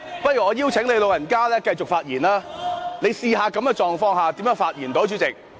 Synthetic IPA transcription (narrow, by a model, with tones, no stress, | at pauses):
pɐ˥t̚jyː˨˩ŋɔː˨˧jiː˥wt͡sʰɪ˨˥ŋle˨˧jlo˨wjɐ˨˩nkaː˥lɛː˥kɐ˧jt͡sʊ˨k̚faː˧t̚jiː˨˩naː˥ne˨˧jsiː˧ɦaː˨˧kɐ˨˥mkɛː˧t͡ʃɔː˨ŋfɔː˧ŋɦaː˨t̪iː˨˥mjœː˧˥ŋfaː˧t̚jiː˨˩nt̪o˨˥wt͡ʃʰy˨˥t͡sɪ˨k̚